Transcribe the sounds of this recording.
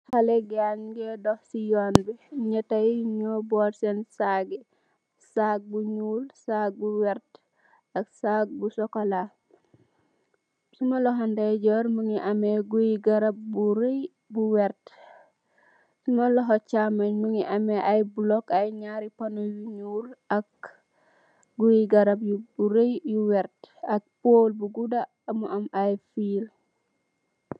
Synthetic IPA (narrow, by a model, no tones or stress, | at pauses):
halɛɡanɡɛdɔhsijɔːnbiɲɐtajɲɔbɔːɾsɛnsaɡi | sak̚buɲuːlsak̚buwɛɾt | ɐksak̚busɔkola | sumɐlɔɦandajɟɔɾməŋiʔɐmeɡujiɡɐɾɐbuɾəj | buwɛɾt | sumɐlɔɦɔt͡ʃamɐɲmuŋiʔɐmɛʔajbulɔkajɲaɾipanowiɲuːɾɐk̚ | ɡujiɡɐɾɐbjubuɾejjuwɛɾtɐk̚poːlbuɡuda | ɐmuʔɐmajfiːl